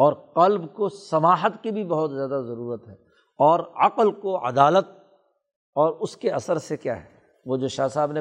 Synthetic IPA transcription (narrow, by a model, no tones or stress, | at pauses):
ɔːɾqɐlbkosɐmaːɦət̪kibʱibɐɦʊt̪zjaːd̪azɐɾuːɾət̪ɦɛː | ɔːɾɐ̰qəlkoɐ̰d̪aːlət̪̚ | ɔːɾʊskeɐsəɾsekja̰ːɦɛː | ʋod͡ʒoːʃaːsaːbne